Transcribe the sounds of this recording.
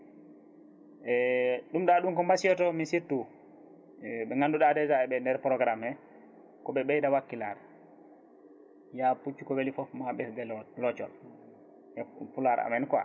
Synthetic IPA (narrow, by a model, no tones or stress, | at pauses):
ʔɛɗumdaɗumkɔmbasijɔtɔminsitːu | ɛbɛŋanduɗadɛd͡ʒaɛbɛndɛɾpɾɔɡɾamɛ | kɔbɛbɛjdawakːilaɾ | japut͡ʃːukɔwelifɔfmaɓɛsdɛllɔt͡ʃɔl | ɛpulaɾa̰mɛnkwa̰